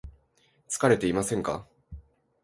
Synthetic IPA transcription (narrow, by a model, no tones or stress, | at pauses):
t͡sɨ̥kaɾe̞t̪e̞imasẽ̞ŋka̰